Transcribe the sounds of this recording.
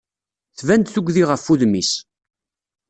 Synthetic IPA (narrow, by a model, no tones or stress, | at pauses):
θvænd̪θuɡʷðiʁəfːuðmis